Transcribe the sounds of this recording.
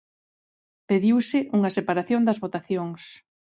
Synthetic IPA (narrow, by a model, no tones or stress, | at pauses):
peðiwsɪʔuŋɐsepaɾaθjõnd̪ɐzβot̪aθjoŋs